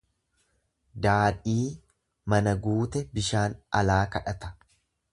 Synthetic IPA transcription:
d̪aːᶑiː | mɐnɐɡuːt̪ɛbɪʃaːnɐ̰laːkɐᶑɐt̪ɐ̥

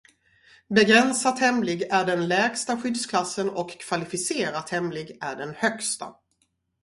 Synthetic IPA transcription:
bɛɡɾɛnsat̪hɛmlɪɡæɖɛnlɛːɡst̪aɧʏd̪skʰlasːənɔkʰːv̥alɪfɪseːɾat̪hɛmlɪɡæɖɛnhœkst̪a̰

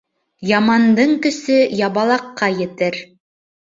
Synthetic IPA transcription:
jɑmɑnd̪ɤɴkɵ̆sɵjɑβɑlˠɑqːɑjɘ̆t̪ɘɾ

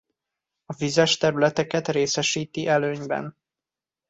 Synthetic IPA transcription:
ɒvizɛʃt̪ɛɾylɛt̪ɛkɛt̪reːsɛʃiːt̪iʔɛløːɲbɛ̰n

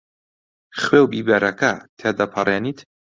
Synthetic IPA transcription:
χwewbibeɾɐkɐt̪ʰed̪ɐpʰɐreːnit̪

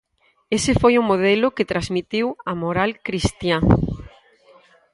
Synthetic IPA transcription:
esefojʊmoð̞ɛloket̪ɾazmit̪iwamoɾalkɾist̪ja

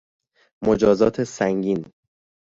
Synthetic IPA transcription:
mod͡ʒɒːzɒːt̪ʰe̞sæŋɟiːn

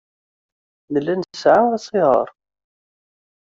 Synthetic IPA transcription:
nəlːænə̥sʕaæsˤiʁə̰ɾˤ

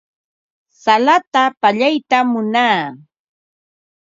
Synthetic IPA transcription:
salat̪apaʎajt̪amʊnaː

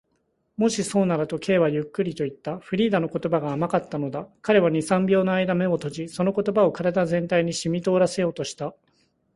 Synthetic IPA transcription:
mo̞ɕiso̞ːnaɾɯt̪o̞kʰe̞ːβajɯ̟kːɯ̟ɾʲit̪o̞it̪ːaɸɯ̟ɾʲiːd̪ano̞ko̞t̪o̞baɡaːmakat̪ːano̞d̪akaɾe̞βaɲ̟isãmbʲjo̞ːnoaid̪ame̞o̞t̪o̞ʑiso̞no̞ko̞t̪o̞bao̞kaɾad̪azẽ̞nt̪aiɲ̟iɕimʲit̪o̞ːɾase̞jo̞ːt̪o̞ɕi̥t̪a

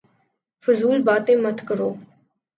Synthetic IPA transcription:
fʊzuːlbaːt̪ẽːmət̪ʰkəɾoː

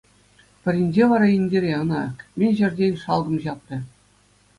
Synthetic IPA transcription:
pʲɘ̆ɾʲinʲd͡ʑeʋɑɾɑinʲdʲeɾʲeɤ̆nɑkmʲenʲʑɘ̆rʲdʲenʲʂɑlˠɡɤ̆mʑɑp̚nʲɘ̆

